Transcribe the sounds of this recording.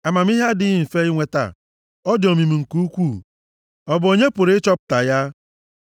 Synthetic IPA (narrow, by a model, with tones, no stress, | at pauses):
a˨ma˨m˦i˦ɦa˦dɪ˦ɪ˨fe˦i˦ŋʷe˨ta̰˨ | ɔ˦dɪ˨o˨mi˨mi˨ŋ̩˨ku˦u˦kʷu˦˨ | ɔ˨bʊ˨o˨ɲe˦pʊ˨ɾt͡ʃɔ˦pʊ̥˨ta˨ja˦